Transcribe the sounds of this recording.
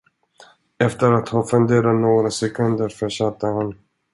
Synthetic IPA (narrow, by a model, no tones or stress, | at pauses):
ɛft̪əɾat̪hanfɵnd̪eːɾanoːɡɾasɛkʰɵnd̪əɾfœʂat̪ːəhan